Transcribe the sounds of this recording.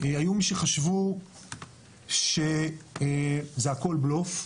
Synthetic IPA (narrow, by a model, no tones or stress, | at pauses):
eajumiʃeχaʃvu | ʃe | zeako̞lblof